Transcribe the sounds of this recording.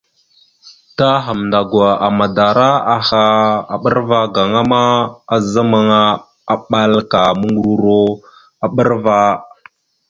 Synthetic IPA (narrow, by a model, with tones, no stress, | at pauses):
ta˦ɦa˨mnda˨ɡwa˨a˨ma˨da˨ɾa˦a˨ha˦a˨ɓə˦ɾva˦ɡa˨ŋa˦ma˦a˨za˦ma˦ŋa˦ | a˨ɓa˦lka˨mə˦ŋɡu˦ɾu˦ɾo˦ | a˨ɓə˦ɾva˦